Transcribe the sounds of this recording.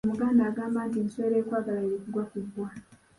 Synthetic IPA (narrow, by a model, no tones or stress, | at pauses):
muɡaːndaːɡaːmaːntenisweɾeːkwaːɡalaeɾikuɡwakuɡwa